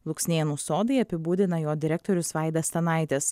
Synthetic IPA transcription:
lˠʊksʲnʲeːnuːsoːd̪ɐɪɐpʲɪbuːd̪ʲɪnɐjoːd̪ʲɪɾʲɛk̚t̪ɔɾʲʊsʋɑˑɪd̪ʲɐsʲt̪ʲɛnɑˑɪt̪ʲes

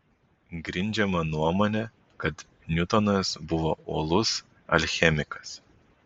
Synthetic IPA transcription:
ɡɾʲɪnʲd͡ʒʲɛmɐnuɔmoːnʲɛ | kɐt̪ | nʲʊt̪ɔnɐsbʊʋooːlˠʊs | ɐ̰lʲxʲɛmʲɪkɐ̥s

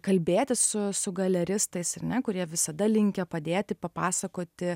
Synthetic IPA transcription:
kɐlʲbʲeːt̪ʲɪssʊsʊɡɐlʲɛɾʲɪst̪ɐɪsɐrnʲɛkʊɾʲiɛʋʲɪsɐd̪ɐlʲɪŋʲkʲɛpɐd̪ʲeːt̪ʲɪpɐpɑːsɐkoːt̪ʲɪ

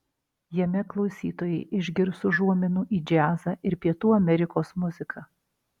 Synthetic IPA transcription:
jɛmʲɛklˠɒʊsʲiːt̪oːjɛɪʔɪʒʲɡʲɪɾsʊʒuɔmʲɛnuːʔiːd͡ʒʲæːzɐʔɪɾpʲiɛt̪uːɐmʲɛɾʲɪkoːsmʊzʲɪkʰɐː

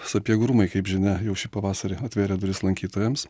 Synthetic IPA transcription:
sʊɐpʲiɛɡɾʊmɐɪkɐɪpʒʲɪnʲɛjɛʊʃʲɪpɐʋɑːsɐɾʲɪɐt̪ʲʋʲeːɾʲɛd̪ʊɾʲɪslˠɐŋʲkʲiːt̪oːjɛms

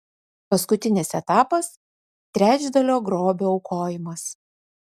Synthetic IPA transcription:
pɐskʊt̪ʲɪnʲɪsɛt̪ɑːpɐs | t̪ʲɾʲæːd͡ʒʲd̪ɐlʲoːɡɾoːbʲoːʊkʰoːjɪmɐs

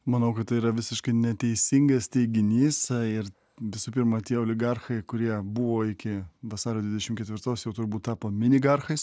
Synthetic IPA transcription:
mɐnɐʊkɐt̪t̪ɐɪiːɾɐʋʲɪsʲɪʃkɐɪnʲɛt̪ʲɛɪsʲɪŋɡɐst̪ʲɛɪɡʲɪnʲiːsɪɾ | ʋʲɪsuːpʲɪɾmɐt̪ʲiɛoːlʲɪɡɑrxɐɪkʊɾʲiɛbʊʋoːɪkʲɪʋɐsɑːɾʲoːd̪ʲʋʲɪd̪ʲɛʃʲɪmkʲɛt̪ʲʋʲɪɾt̪oːsjɛʊt̪ʊɾbuːt̪̚t̪ɑːpoːmʲɪnʲɪɡɑrxɐɪs

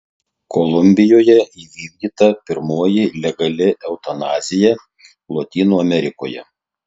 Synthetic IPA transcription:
kʰɔlˠʊmʲbʲɪjoːjɛiːʋʲiːɡʲd̪ʲiːt̪ɐpʲɪɾmoːjɪlʲɛɡɐlʲɪʔɛʊt̪ɐnɑːzʲɪjɛ | lˠot̪ʲiːnuːɐmʲɛɾʲɪkoːjɛ̰

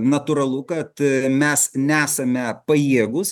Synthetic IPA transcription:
nɐt̪ʊɾɐlˠʊkɐt̪mʲɛsnʲæːsɐmʲɛpɐjiɛɡʊs

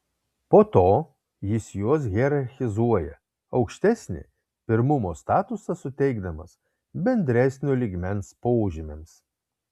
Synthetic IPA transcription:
poːt̪oː | jɪsjuɔs̬ɣʲɛɾɐɾʲxʲɪzuɔjɛ | ɐʊkʃʲt̪ʲæsʲnʲɪ̰ | pʲɪɾmʊmoːst̪ɑːt̪ʊsɐsʊt̪ʲɛɪɡd̪ɐmɐs | bʲɛnʲd̪ʲɾʲæsʲnʲoːlʲiɡmʲɛnspoːʒʲɪmʲems

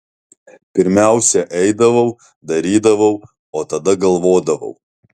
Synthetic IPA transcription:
pʲɪɾʲmʲæˑʊsʲɛʔɛɪd̪ɐʋɐʊ | d̪ɐɾʲiːd̪ɐʋɐʊ | oːt̪ɐd̪ɐɡɐlˠʋoːd̪ɐʋɐ̰ʊ

